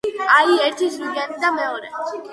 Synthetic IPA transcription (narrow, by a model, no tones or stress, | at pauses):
aiɛɾt̪ʰit͡ʃʰɾidijanid̪amɛɔɾɛ̰